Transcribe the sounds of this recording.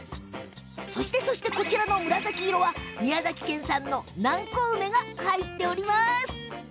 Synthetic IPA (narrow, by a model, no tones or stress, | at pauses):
so̞ɕi̥t̪e̞so̞ɕi̥t̪e̞ko̞t͡ɕiɾano̞mɯ̟ɾazakʲiiɾo̞βamʲiazakʲi̥kẽ̞ɰ̃sãnːo̞nãŋkoːme̞ɡahait̪ːe̞o̞ɾʲimasɨ̥